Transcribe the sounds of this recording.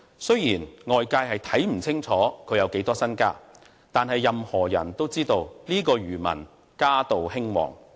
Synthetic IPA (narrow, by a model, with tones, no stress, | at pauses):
sɵ˥jjiː˨˩nŋɔː˨jkaː˧jɦɐ˨jt̪ʰɐ˨˥jm̩˨˩t͡sʰɪ˥ŋt͡sʰɔː˨˥kʰɵ˨˧ɥjɐ˨˧wke˨˥jt̪ɔː˥sɐ˥nka̰ː˥ | t̪aː˨nhɐ˨jːɐ˨mhɔː˨˩jɐ̰˨˩nt̪o˥wt͡siː˥t̪o˧wliː˥kɔː˧ɥyː˨˩mɐ̰˨˩n | kaː˥t̪o˨whɪ˥ŋwɔ̰ː˨˩ŋ